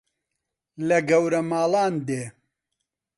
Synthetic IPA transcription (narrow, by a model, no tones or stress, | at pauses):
lɐɡɐwɾɐmaːlaːnd̪eː